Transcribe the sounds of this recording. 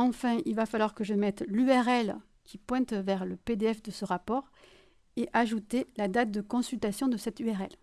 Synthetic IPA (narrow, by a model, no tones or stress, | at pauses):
ɑ̃fɛ̃ilvafalwaʁkəʒəmɛt̪lyɛʁɛl | kʲipwɛ̃t̪vɛʁləped̪eɛfd̪əsəʁapɔʁ | eʔaʒut̪elad̪at̪̚d̪əkɔ̃sylt̪asjɔ̃d̪əsɛt̪yɛʁɛl